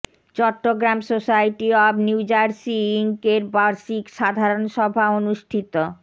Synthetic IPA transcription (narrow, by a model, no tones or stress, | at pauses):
t͡ɕɔʈːoɡɾamsosajʈiɔbniwd͡ʑaɾsiiŋkeɾbaɾsikʃad̪ʱaɾonʃɔbʱaonuʃʈʰit̪o